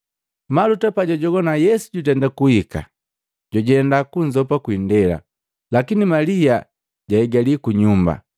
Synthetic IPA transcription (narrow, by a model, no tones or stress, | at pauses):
malutapaɟɔɟɔɡɔnajɛsu̥ɟutɛndakuhika̰ | ɟɔɟɛndakuɲzɔpakwindɛla̰ | lakinimalia | ɟaɛɡalikuɲumba̰